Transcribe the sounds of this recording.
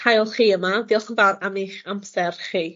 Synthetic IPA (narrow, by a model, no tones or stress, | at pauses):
hajɔlˠχiːəmaviːɔlˠχənvaɾamiχamsɛrχiː